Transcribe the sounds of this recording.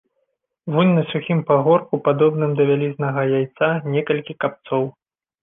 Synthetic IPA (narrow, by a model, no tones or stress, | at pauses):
vunʲnɐsʲuxʲimpaɣɔrkupad̪ɔbnɨmd̪ɐvʲalʲiznɐɣɐjajt̪sanʲɛkɐlʲkʲikap̚t̪sɔw